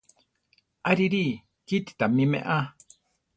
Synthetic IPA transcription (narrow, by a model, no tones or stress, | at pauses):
aɾiɾi | kit̪i̥t̪amimḛ̃ʔa